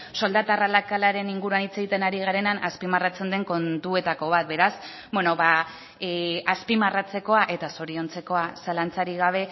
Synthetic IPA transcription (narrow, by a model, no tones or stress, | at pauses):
so̞ld̪at̪aralakalaɾe̞niŋɡuɾuanit͡se̞ɣit̪e̞naɾiɣ̞aɾe̞nanaspimarat͡se̞nd̪e̞ŋko̞nt̪ue̞t̪ako̞β̞at̪̚be̞ɾas | bwe̞no̞βa | aspimarat͡se̞ko̞aʔe̞t̪aso̞ɾio̞nt͡se̞ko̞asalant͡saɾiɣ̞aβ̞e̞